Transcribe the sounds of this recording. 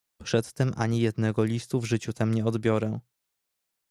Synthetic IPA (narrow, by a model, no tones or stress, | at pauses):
pʂɛt̪ːɛmʔaɲijɛd̪nɛɡɔlʲist̪uvʐɘt͡ɕut̪amɲɛɔd̪bʲjɔɾɛ